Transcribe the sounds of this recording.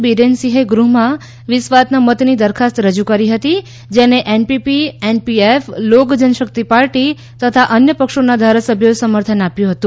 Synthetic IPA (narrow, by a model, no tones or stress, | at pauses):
biɾensiɦeɡɾuɦmã | ʋɪsʋat̪namət̪nid̪əɾkʰast̪ɾəd͡ʒukəɾiɦət̪i | d͡ʒeneʔenpipienpieflokd͡ʒənəʃək̚t̪ipaɾʈi | t̪ət̪ʰaʔənjəpəkʃonad̪ʱaɾasəbʱjoesəməɾt̪ʰənapjũɦət̪ũ